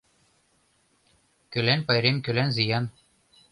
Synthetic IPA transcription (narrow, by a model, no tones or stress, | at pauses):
kø̆lænpɑjɾemkø̆lænzijɑn